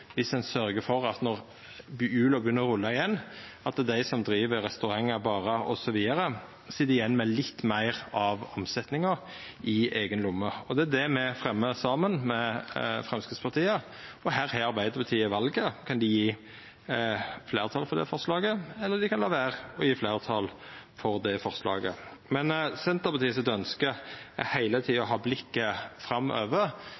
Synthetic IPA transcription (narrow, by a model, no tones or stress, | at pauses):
ʋɪsd̪ɛnsœɾɡəfɔɾɑt̪nɔʁ | ʉːlɔbʉnːəɾʊlːɑɪjɛnːɑt̪d̪æɪsɔmd̪ɾiːʋəɾɛst̪ʉɾɑŋːəɾbɑːɾəɔ̰sɔʋiːd̪əɾə | sɪd̪ɪjɛnːmɛlɪt̪ːmæɪʁɑʋɔmsɛt̪nɪŋəɾ | ɪeːɡənlʊmːəɔd̪ɛæd̪ɛmɛfɾɛmːəsɑːmənmɛfɾɛmskɾɪt̪spʰɑʁt̪ʰiːə | ɔɦæːɾhæɑɾbæɪd̪əɾpɑt̪ʰiːəʋɑlɡəkʰɑnd̪ɪjiː | fleːɾʁt̪ʰɑːlfɔd̪ɛ̰fɔʁslɑːɡəɛlːəd̪ɪkɑnlɑːʋæːʁɔjiːflæɪʁt̪ʰɑlfɔɾd̪ɛfɔʁslɑ̰ːɡə̰ | mɛnsɛnt̪əɾpɑt̪ʰiːəsɪt̪œnskəæhæɪlət̪ʰiːɔɦɑːblɪkːəfɾɑmːʔø̰ːʋə